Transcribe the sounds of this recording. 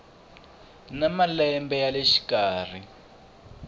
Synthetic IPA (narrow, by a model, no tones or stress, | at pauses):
namalɛmbɛjaleʃi̥kaːr̤i